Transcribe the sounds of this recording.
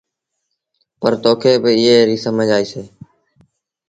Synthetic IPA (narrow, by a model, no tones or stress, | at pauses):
pəɾt̪oːkʰeːbɪɪɦeːɾiːsəməd͡ʒaːiːseː